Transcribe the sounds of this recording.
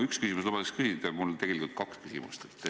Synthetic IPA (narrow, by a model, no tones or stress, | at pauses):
ykskysimuslomɑt̪ekskysid̪ɑmult̪e̞ɡ̥e̞likult̪̚kɑkskysimṵst̪et̪ːˑ